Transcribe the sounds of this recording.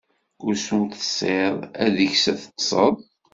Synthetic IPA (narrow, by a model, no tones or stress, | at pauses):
ʊɾsunθə̥sˤeðˤæðəçsæθə̥qsˤəðˤ